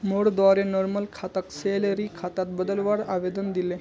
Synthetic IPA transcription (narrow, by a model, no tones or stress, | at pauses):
moɽd̪ʋaɾenɔɾməlkʰat̪əkseləɾikʰat̪at̪bəd̪əlʋaɽaʋed̪ənd̪ile